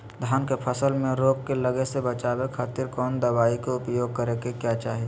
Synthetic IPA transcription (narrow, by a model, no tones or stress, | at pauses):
d̪ʱjaːnkepʰəsəlmẽɾoːkkeləɡesebət͡ʃaːbekʰaːt̪ɪɾkɔːnd̪əwaːikeʊpjoːɡ̚kəɾekekjat͡ʃaːɦe